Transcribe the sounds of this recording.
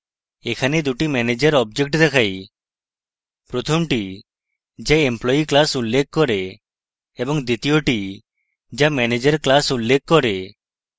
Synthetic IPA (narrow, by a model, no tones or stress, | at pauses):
ekʰaned̪uʈimɛned͡ʒəɾɔb̚d͡ʒek̚ʈd̪ekʰaj | pɾɔt̪ʰɔmʈi | d͡ʒeemplɔiklasulːekkːɔɾeː | bɔŋd̪it̪ijoʈi | d͡ʒamɛned͡ʒəɾklasulːekːɔɾe